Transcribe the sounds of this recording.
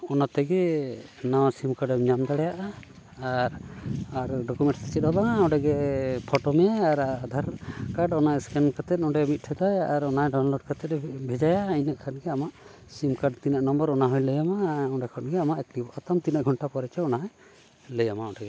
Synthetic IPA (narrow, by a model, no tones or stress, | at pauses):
ɔnat̪ɛɡɛnawsimkaɖɛɲamd̪aɽɛjaʔaː | ɾaɾɖɔkumɛ̃ɳʈst̪ɛt͡ʃɛt̪ɔlaɔɖɛɡɛpʰɔʈɔmɛaɾd̪ʱaɾkaɖɔnajskɛnkat̪ɛt̪̚ɔɳɖɛmit̪̚ʈʰɛd̪ajaɾɔnajɖawnlɔɖ̚kat̪ɛt̪̚ɛbʱɛd͡ʒajainaʔkʰanɡɛamaʔ | simkaɖt̪inaʔnɔmbəɾɔnaɦɔjləjamaɔɖɛkʰɔnɡɛamaʔɛklibʔat̪amt̪inaʔɡʱɔɳʈapɔɾɛt͡ʃɛɔnaɦɔj | ləjamaɔɖɛɡɛ